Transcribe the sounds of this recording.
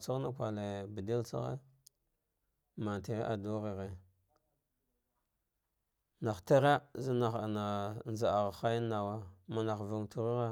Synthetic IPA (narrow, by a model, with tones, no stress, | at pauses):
t͡sa˦ɣna˦kʷa˨le˨bi˨di˦lt͡sa̰˦ɣḛ˦ | ma˨n˨ti˨ɾe˦ʔa˨du˦ɣi˨ɣe˨ | na˨xta˦ɾa˦zi˦na˨xna˨nza˨a˨ɣa˨xa˦jna˨wa˦ma˨na˨xvu˨ŋtu˦ɾu˦ɣa˦